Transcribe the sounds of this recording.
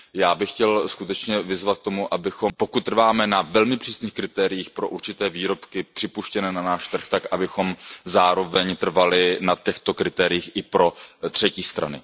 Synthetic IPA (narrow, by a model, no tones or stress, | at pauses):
jaːbɪxcɛlskut̪ɛt͡ʃɲɛvɪzvat̪̚k̚t̪o̞muʔabɪxo̞mpo̞kut̪̚ːr̩vaːmɛnavɛlmɪpr̥iːsniːxkɾɪt̪ɛːɾɪjiːxpɾo̞ʔuɾt͡ʃɪt̪ɛːviːɾo̞pkɪpr̝̥ɪpuʃcɛnɛːnanaːʃt̪r̩xt̪akʔabɪxo̞mzaːɾo̞vɛɲt̪r̩valɪnat̪ɛxt̪o̞kɾɪt̪ɛːɾɪjiːxʔɪpɾo̞t̪r̝̥ɛciːst̪ɾa̰nɪ̰